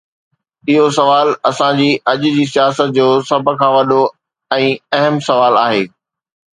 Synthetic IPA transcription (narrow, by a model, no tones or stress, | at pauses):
ɪɦosɐʋaːlɐsãd͡ʑiːʔɐʄʊd͡ʑiːsijaːsət̪̚d͡ʑoːsɐbʱkʰãːʋɐɗo | ɛ̃ːɐɦəmsɐʋaːlaːɦeː